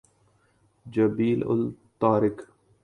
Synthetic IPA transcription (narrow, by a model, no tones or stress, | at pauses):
d͡ʒabiːlʔʊ̰lt̪ɑːɾɪk